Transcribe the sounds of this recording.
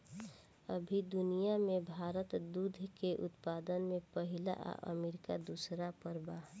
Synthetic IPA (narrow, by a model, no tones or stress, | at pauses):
ə̰bʱid̪ʊnijamẽbʱaːɾət̪d̪ud̪ʱkeʔʊ̰t̪paːd̪ənmẽpəɦɪla̰ʔa̰ʔə̰meːɾɪkad̪usɾapəɾba